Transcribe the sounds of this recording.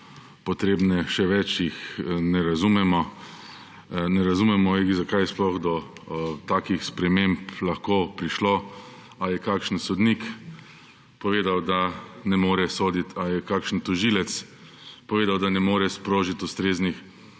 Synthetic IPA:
pɔt̪ɾeːbnɛʃɛʋɛt͡ʃjixnɛɾazumɛmɔ | nɛɾazumɛmɔixzakajsplɔɣd̪ɔt̪aːkixspɾɛmemplaxkoːpɾiʃloː | ajɛkaːkʃn̩sɔd̪nik | pɔʋeːd̪awd̪anɛmoːɾɛsoːd̪it̪ajɛkaːkʃn̩t̪uʒilɛt̪s | pɔʋeːd̪awd̪anɛmoːɾɛspɾoːʒit̪ust̪ɾeːznix

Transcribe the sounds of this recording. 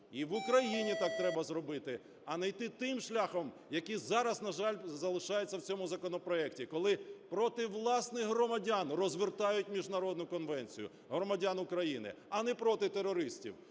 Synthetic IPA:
iʋukɾɐjinʲit̪ɑk̚t̪ɾɛbɐzrɔbɪt̪ɪ | ɐnɐjt̪ɪt̪ɪmʃlʲaxɔm | jɐkizɑɾɐznɐʒɑlʲzɐlˠɪʃɑjet͡sʲːɐwt͡sʲɔmʊzɐkɔnɔpɾɔɛktʲikɔlˠɪpɾɔt̪ɪʋlˠɑsnɪxɦɾɔmɐdʲanrɔzʋɪrt̪ɑjʊtʲmʲiʒnɐɾɔd̪nʊkɔnʋɛnʲt͡sʲijʊ̰ | ɦɾɔmɐdʲanʊkɾɐjinɪ̰ɐnɛpɾɔt̪ɪt̪eɾɔɾɪsʲtʲḭw

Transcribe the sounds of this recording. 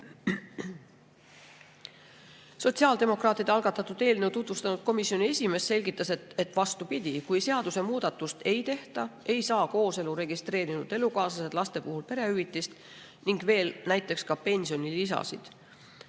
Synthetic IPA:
so̞t̪ʲsiɑld̪e̞mo̞krɑːt̪ːˑid̪eɑlɡ̥ɑt̪ːˑɑt̪ːˑud̪̥e̞ːlnewt̪ut̪vust̪ɑnud̪̚ko̞misːio̞nie̞sʲime̞ːsːe̞lʲɡit̪ːˑɑseet̪ːˑvɑst̪upid̪̥ʲikujse̞ɑd̪̥use̞muːd̪̥ɑt̪ːˑust̪e̞jt̪e̞ht̪ɑe̞jsɑːko̞ːse̞luɾe̞ɡist̪re̞ːɾinud̪̥e̞lukɑːsɑse̞d̪̥lɑst̪e̞puɦulpe̞ɾe̞yvit̪ˑːist̪ | niŋɡ̥ve̞ːlnæjt̪ːˑe̞kskɑpe̞nʲsio̞nilisɑ̰sḭd̪̥

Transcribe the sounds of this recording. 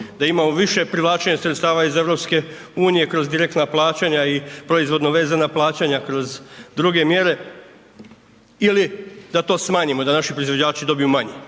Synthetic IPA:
d̪aimamoʋiʃe̞pɾiʋlˠaːt͡ʃeɲasɾet̪st̪aːʋaize̞ʋɾo̞pske̞ | uːnije̞kɾo̞zd̪iɾekt̪naplˠaːt͡ɕaɲaipɾoizʋo̞d̪noʋe̞ːzanaplˠaːt͡ɕaɲakɾo̞zd̪ɾuɡe̞mje̞ɾe̞ | ilid̪at̪o̞ːsmaːɲimo̞d̪anaʃipɾoizʋod͡ʑaːt͡ʃid̪o̞bijumaɲe

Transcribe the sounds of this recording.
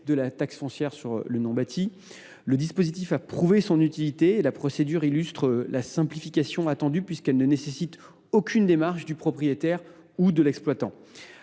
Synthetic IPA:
d̪əlat̪aksfɔ̃sjɛʁsyʁlənɔ̃bat̪ʰi | ləd̪ispozit̪ifapχuvesɔ̃nyt̪ilit̪eːlapχɔsed̪yʁilyst̪χəlasɛ̃plifikʲasjɔ̃at̪ɑ̃d̪ypɥiskɛlnənesesit̪ | okʲynd̪emaʁʃd̪ypχɔpχijet̪ɛʁ | ud̪əlɛksplwat̪ɑ̃

